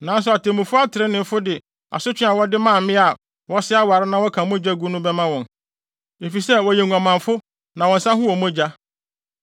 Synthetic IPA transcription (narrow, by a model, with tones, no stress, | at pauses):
nã˨n̩˦s̬ʊ˨a˨tʰe˨mũ˨fʊ˦a˦tʰɪ˨ɾɪ˦nɪ̃˨m˦fʊ˦dɪ˨ | a̰˨sʊ˦t͡ɕᶣɪ̃˦a˨wɔ˦dɪ˦mãː˦˨m̩˨mɪ̃˦a˨ | wɔ˦sɪ˦a˦wa˨ɾɪ˦nã˦wɔ˦kʰã˨˦mõ˦d͡ʑa˦ɡu˦nʊ̃˦bɛ˦mã˦wɔ̃˨n | e˨fi˨sɛ˦˨wɔ˨jɛ˨ŋʷ˨ã˨mã˨fʊ˦ | nã˨wɔ̃˨n̩˨sã˦hʊ̃˦wɔ˨mõ˦d͡ʑa˦